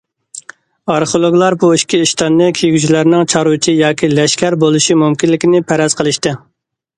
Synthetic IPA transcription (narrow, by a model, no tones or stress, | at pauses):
ɑɾχolˠoɡlˠɑɾbuiʃkʲiːʃt̪ɑnːɨkʲʰejɡʲyt͡ʃʰilæɾnɪŋt͡ʃʰɑɾut͡ʃʰijɑːkʲʰilɛʃkʲæɾbolˠɨʃimumkʲinlːɪkʲinɪpʰæɾɑz̥qʰəlˠɨʃt̪ɨ